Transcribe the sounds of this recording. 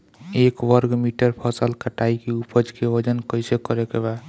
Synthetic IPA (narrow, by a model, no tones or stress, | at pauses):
ekwəɾɡmiʈəɾpʰɔsəlkəʈaikeupʰəd͡ʒkeʋəd͡ʒənkəjsekəɾekeba